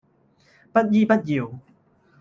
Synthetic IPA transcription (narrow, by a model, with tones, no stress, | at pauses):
pɐ˦˥t̚jiː˥pɐ˥t̚ji˨˩w